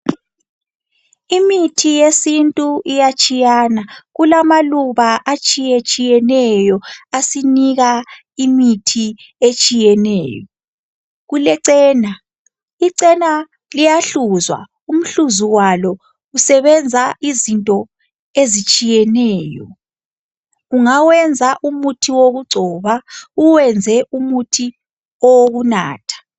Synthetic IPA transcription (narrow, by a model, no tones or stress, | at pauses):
imitʰijesintʼuijat͡ʃʼijanaɣulamaluβaʔat͡ʃʼijɛt͡ʃʼijɛnɛjɔasiniɣa | imitʰi | et͡ʃʼijɛnɛ̰ːjɔ | ɣulɛǀɛːna | iǀɛna | lijaɬuzwa̰ | um̩ɬuzuwalɔ | usɛβɛnd͡zʱaʔizintʼɔ | ezit͡ʃʼijɛnɛːjɔ̰ | uŋawɛnd͡zʱaʔumutʰiwoɣuɡ͡ǀʱɔːβauwɛnd͡zʱɛʔumutʰi | ɔwoɣuna̰ːtʰḁ